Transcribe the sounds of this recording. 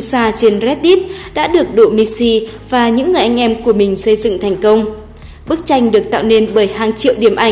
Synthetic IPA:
saː˧t͡ɕe˧nzɛ˦˥t̚ɗi˦˥t̚ɗa̰ː˧˥ɗɨ˨˩ək̚ɗo̰˧˨mi˧si˧vaː˨˩ɲɨ̰˧˥ŋːɨ˨˩əjʔa˧jŋ̟ʔɛ˧mku˧˩əmï˨˩ŋ̟sə˧jzɨ̰˧˨ŋt̪ʰɛ˨˩jŋ̟kə˧wŋ͡m | ɓɨ˦˥k̚t͡ɕa˧jŋ̟ɗɨ˨˩ək̚t̪a̰ː˧˨wne˧nɓəː˧˩˦jhaː˨˩ŋt͡ɕḭ˧˨əwɗi˧˩əmʔa˧˩

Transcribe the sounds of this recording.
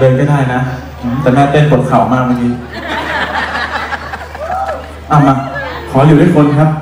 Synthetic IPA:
dɤː˧nka˥˩daː˥˩jna˦˥ | ʔt̪ɛː˨˩maː˧˩p̪e˧˥˩npʰo˨˩˦t̪̚kʰa˨˩wmaː˥˩k̚maː˧˩kʰiː˧˩ | ʔa˧˩ma˧˩kʰɔː˩˦li˨˦duː˥˩kʰo˧nkʰa˦˥p̚

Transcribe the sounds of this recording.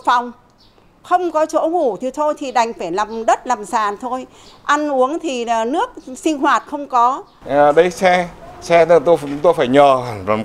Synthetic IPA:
fa˨˩wŋ͡m | xə˧wŋ͡mkɔ˨˦t͡ɕo̰˧˥ŋu˧˩t̪ʰi˨˩t̪ʰo˧jt̪ʰi˨˩ɗa˨˩jŋ̟faː˧˩jlaː˨˩mɗə˦˥t̚laː˨˩msaː˨˩nt̪ʰo˧j | ʔa˧nʔu˨˦əŋt̪ʰi˨˩˨nɨ˦˥ək̚sï˧ŋ̟ɦwaː˨˩t̚xə˧wŋ͡mkɔ˨˦˨ | ɗə˨˧˦jsɛ˧sɛ˧t̪o˧t͡ɕʊ˨˦ŋ͡mt̪o˧jfaː˧˩jɲɔː˨˩˨

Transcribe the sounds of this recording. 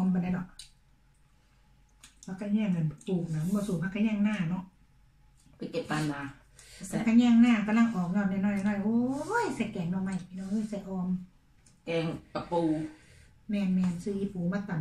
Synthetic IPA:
mpa˨na˧˨nɔ˧˨ʔ | pʰa˧˨kʰːɲɛː˧˩˨ŋa˨˩n˨t̪uː˨˩k̚na˨˦˧bɔː˧˨suː˨˩pʰa˧˨kʰa˧ɲɛː˧˥˨ŋnaː˧˩nɔ˧˨ʔ | pa˨ke˨˧˩p̚t̪a˧˩nːa˨˧ | sa˧˨kʰa˧ɲɛː˧˥˨ŋnaː˧˥˨ka˧la˧˥˨ŋʔɔː˨˦knɔː˧˨n˧nɔː˧˩˨nɔː˧˨jʔoː˦˨jsa˧˩kɛː˨˩ŋnɔ˧˨ma˧˩˨ji˧nɔ˧oː˧˩˨sa˧˩jʔɔː˧m | kɛː˧˩ŋpa˧˨puː˧ | mɛː˧˩nmɛː˧nsɯː˧i˧puː˨˦ma˧˩t̪ːa˨n

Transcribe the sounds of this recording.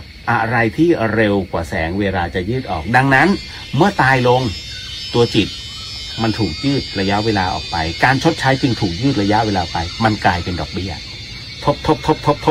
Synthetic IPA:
ʔa˨˩ɾa˧jt̪ʰiː˥˩ɾe˧wkwa̰ː˨˩sɛ̰ː˩˦ŋweː˧laː˧t͡ɕa˨˩jɯː˥˩t̪̚ʔɔ̰ː˨˩k̚da˧ŋna˦˥n | mɯ˥˩ɐt̪aː˧jlo˧ŋ | t̪u˧ɐt͡ɕi˨˩t̪̚ | ma˧nt̪ʰuː˨˩k̚jɯː˥˩t̪̚ɾa˧ja˦˥ʔweː˧laː˧ʔɔ̰ː˨˩k̚pa˧jkaː˧nt͡ɕʰo˦˥t̪̚t͡ɕʰaː˦˥jt͡ɕɯ˧ŋt̪ʰuː˨˩k̚jɯː˥˩t̪̚ɾa˧ja˦˥ʔweː˧laː˧˩pa˧jma˧nklaː˧jpe˧ndɔː˨˩k̚bi˦˥˩ɐ | t̪ʰo˦˥p̚t̪ʰo˦˥p̚t̪ʰo˦˥p̚t̪ʰo˦˥p̚t̪ʰo˦˥

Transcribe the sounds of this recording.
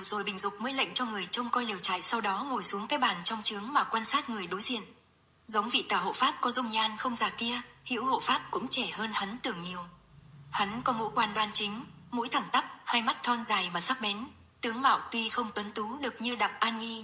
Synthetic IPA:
zo˨˩jɓï˨˩ŋ̟zʊ˨˩k͡p̚məː˨˦jlə̰˧˨ŋ̟t͡ɕɔ˧ŋɨ˨˩əjt͡ɕə˧wŋ͡mkɔ˧jli˨˩əwt͡ɕa̰ː˧˨jsa˧wɗɔ˨˦ŋo˨˩jsu˨˦əŋkaː˨˦jɓaː˨˩nt͡ɕɔ˧wŋ͡mt͡ɕɨ˨˦əŋmaː˨˩kwaː˧nsaː˦˥t̚ŋɨ˨˩əjɗo˨˦jzḭ˧˨ən | zə˨˦wŋ͡mvḭ˧˨t̪aː˨˩ɦo̰˧˨faː˦˥p̚kɔ˨˦zʊ˧wŋ͡mɲaː˧nxə˧wŋ͡mzaː˨˩ki˧əhḭ˧˥who̰˧˨faː˦˥p̚kʊ̰˧˥ŋ͡mt͡ɕɛ˧˩həː˧nha˨˦nt̪ɨ˨˩əŋɲi˨˩əwha˨˦nkɔ˨˦mṵ˧˥kwaː˧nɗwaː˧nt͡ɕï˨˦ŋ̟ | mṵ˧˥jt̪ʰa˧˩ŋt̪ə˦˥p̚ha˧jma˦˥t̚t̪ʰɔ˧nzaː˨˩jvaː˨˩saː˦˥k̚ɓɛ˨˦n | t̪ɨ˨˦əŋma̰ː˧˨wt̪wi˧xə˧wŋ͡mt̪wə˨˦nt̪u˨˦ɗɨ˨˩ək̚ɲɨ˧ɗa˨˩p̚ʔaː˧nŋi˧

